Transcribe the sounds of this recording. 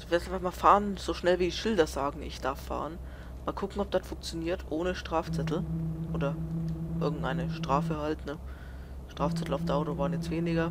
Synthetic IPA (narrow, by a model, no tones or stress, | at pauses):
vɛsfamaːfaːʁənz̥oːʃnɛlviːdiːʃɪldɐzaːɡŋ̩ʔɪ̰çd̥aɐfːa̰ːʁən | maːlkʰʊkŋ̩ɔp̚d̥atfʊŋk̚t͡sjoniːɐtʰʔoːnəʃtʁ̥aːft͡sɛtʰl̩ʔoːdɐʔɪɐɡŋ̩tʔa̰ɪnəʃtʁ̥aːfəhaltnə | ʃtʁ̥aːft͡sɛtl̩aʊfdaʊtoːvaːənjɛt͡stv̥eːnɪɡɐ